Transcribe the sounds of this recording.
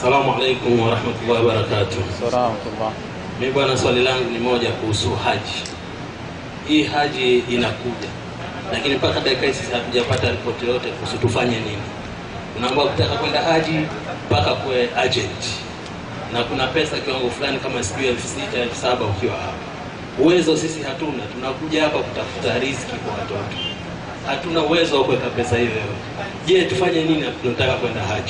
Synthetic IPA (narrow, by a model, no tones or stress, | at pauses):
asalamualɛjkumwaɾahmatulaaɓaɾakatu | miiɓwanaswalilaŋɡunimɔʄakuhusuhaʄi | hiːhaʄiːnakuʄa | lakinipakaɗaikaisizhatuʄapataɾipɔtijɔtɛkuhusutufaɲɛnini | tunaːmɡuaku̥takakwɛndahaʄi | pakakuwɛad͡ʒɛnti̥ | nakunapɛsakiwaŋɡɔfulanikamasi̥kuiɛlfu̥sitaɛlfu̥saɓaukiwaha̰pḁ | uwɛzɔsisihatunatunakuʄahapaku̥tafu̥taɾiskikwawatɔtɔ̥ | hatunauwɛzɔwakuwɛkapɛsahijɔjɔɛ | ʄɛtufaɲɛniniaunɔtakakwɛndaɦaʄi